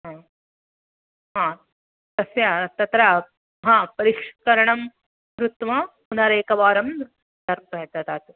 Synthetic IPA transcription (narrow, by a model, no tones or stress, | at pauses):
ɦãː | ɦãː | t̪ɐsjat̪ɐt̪ɾɐ | ɦãːpɐɾikʂkɐɾɐɳɐm | ɾut̪ʋɐpunɐɾeːkɐʋaːɾɐm | d̪ɐɾpɐjɐt̪ɐt̪aːt̪u